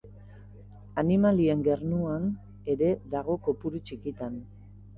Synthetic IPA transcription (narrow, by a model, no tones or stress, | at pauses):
animalie̞ŋɡe̞rnuan | e̞ɾe̞ðaɣ̞o̞ko̞puɾut͡ʃikit̪an